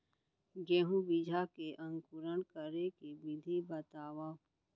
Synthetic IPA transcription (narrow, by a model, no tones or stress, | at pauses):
ɡeːɦũbid͡ʒʱakeʔɐ̃ŋkʊɾəɳkəɾekebɪd̪ʱibət̪aːwã